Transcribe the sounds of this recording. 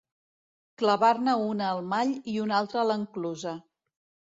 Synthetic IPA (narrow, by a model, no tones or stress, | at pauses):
kləβarnəunəːlˠmaʎiunalˠt̪ɾələŋkluzə